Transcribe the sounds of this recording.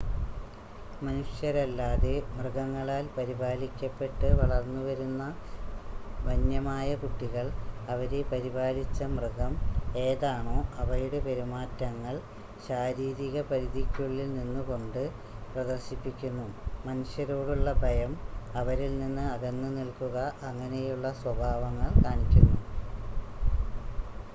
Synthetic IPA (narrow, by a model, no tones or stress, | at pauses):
mɐnuɕjɐɾɐlːaːðe̞mrɨɣɐŋːɐɭaːlpɐɾibaːlikʲːɐpːe̞ʈːɨʋɐɭɐrnːuʋɐɾunːɐ | ʋɐnjɐmaːjɐkuʈːiɣɐɭɐʋɐɾepɐɾibaːlit͡ɕːɐmrɨɣɐme̞ːðaːɳo̞ːʔɐʋɐjuɽepe̞ɾimaːtːɐŋːɐɭ | ɕaːɾiːɾiɣɐpɐɾiðikʲːuɭilninːɨko̞ɳɖɨ | prɐd̪ɐrɕipːikʲːunːumɐnuɕjɐɾo̞ːɽuɭːɐbʱɐjɐmɐʋɐɾilninːɨɐðenːɨnilkuɣɐʔɐŋːɐne̞juɭːɐswɐbʱaːʋɐŋːɐɭkaːɳikʲːunːu